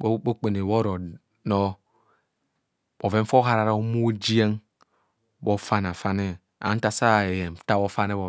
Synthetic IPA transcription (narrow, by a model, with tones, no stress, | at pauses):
o˦o˦k͡pe˨ne˨wo˦ɾo˨ | no˦ | bo˨ve˦m̩˦fo˦ɦa˦ɾa˨ɾa˦mu˦d͡ʒi˦e˦ŋ | bo˦fa˦n˨a˨fa˦ne˦ | a̰˨˦n̩˦ta˦sa˦˨e˨je˨m˨ta˦wo˦fa˦ne˦βo˨